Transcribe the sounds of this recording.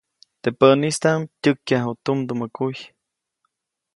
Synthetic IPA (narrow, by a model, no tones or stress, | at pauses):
t̪epəʔnist̪amtʲɨkːjaɦut̪umd̪uməkuj